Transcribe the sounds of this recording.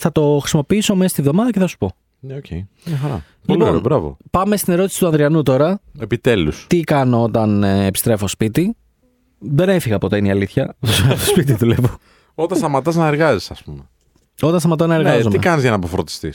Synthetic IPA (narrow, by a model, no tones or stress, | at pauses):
θɐt̪o̞xɾisimo̞piiso̞meɐst̪ivðo̞mɐðɐceθɐsu̥po̞ | neocej | ɐxɐɾɐ̰ | ploiloɾn̰bɾɐvo̰pɐme̞st̪ine̞ɾo̞t̪i̥si̥t̪uɐnðɾiɐnut̪o̞ɾɐe̞pit̪elust̪ikɐnoo̞t̪ɐnepi̥st̪ɾe̞fo̞spit̪i | ðe̞nefiɣɐpot̪ɐiniɐliθçɐtosɐt̪o̥spit̪iðulevo | ot̪ɐnst̪ɐmɐt̪ɐznɐeɾɣɐzisɐspume | o̞t̪ɐnst̪ɐmɐt̪ɐznɐeɾɣɐzomiekɐnizʝɐnɐːpofɾot̪i̥st̪ḭs